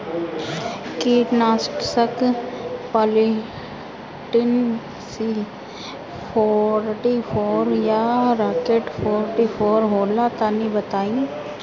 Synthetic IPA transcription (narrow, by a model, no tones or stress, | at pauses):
kiːʈnaːsʈsək | paːli | ʈɪn | si | pʰɔːɾʈifʰoːɾjaɾaːkeːʈpʰɔːɾʈifʰoːɾɦoːlat̪aːnibət̪aːĩː